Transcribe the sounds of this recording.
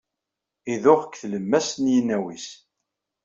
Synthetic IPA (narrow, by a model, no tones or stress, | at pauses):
iðʊʁəkːθləmːæsnjənːæwis